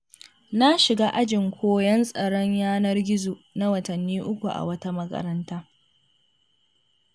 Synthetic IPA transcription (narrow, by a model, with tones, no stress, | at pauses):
na˦ʃɪ˨ɡaː˦ʔa˦d͡ʒɪ˨ŋkʷʰoː˦jɐ˦nsʼɐ˨ɽɔ˦ɲjaː˦nɐ˦rɡʲɪ˦zoː˨na˦wɐ˨tɐ˨nːiː˦ʔʊ˦kʷu˨ʔa̰˨wɐ˦ta˦mɐ˦kɐ̰˦ɾɐ˦ntaː˦